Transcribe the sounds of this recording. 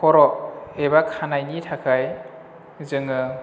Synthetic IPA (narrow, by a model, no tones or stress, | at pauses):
kʰɔɾɔebakʰanajnitʰakʰaj | zɯŋɯ